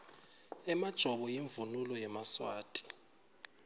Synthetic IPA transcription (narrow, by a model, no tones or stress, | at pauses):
ɛmad̥ʒ̥ʱɔɓɔjiɱvunulɔjɛmaswaːtʼʰi̥